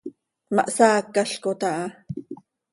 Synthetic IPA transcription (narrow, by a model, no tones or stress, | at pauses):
mɑ̰ʔsaːkːaɬkot̪aʔɑ